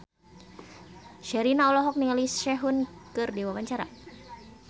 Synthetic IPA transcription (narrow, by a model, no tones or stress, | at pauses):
ʃɛɾinaɔlɔɦɔk̚niŋalisʃɛɦunkɨrdiwawaɲt͡ʃaɾa̰